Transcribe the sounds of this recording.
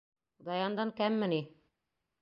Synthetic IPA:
d̪ɑjɑnd̪ɑnkæmːɘ̆ni

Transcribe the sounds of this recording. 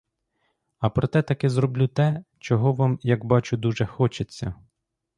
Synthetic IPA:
ɐpɾɔt̪ɛt̪ɐkɛzɾɔblʲut̪ɛt͡ʃɔɦɔʋɑmjɐɡbɑt͡ʃʊd̪uʒɛxɔt͡ʃet͡sʲːɐ

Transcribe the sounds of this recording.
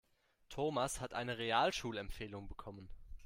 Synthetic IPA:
tʰoːmashatʔa̰ɪnəʁeaːlʃuːlɛmpfeːlʊŋbəkʰɔmən

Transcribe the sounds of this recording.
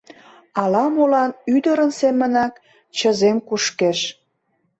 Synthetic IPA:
ɑlɑmolɑnyd̪əɾənsemənɑk | t͡ɕəzemkuʃkeʃ

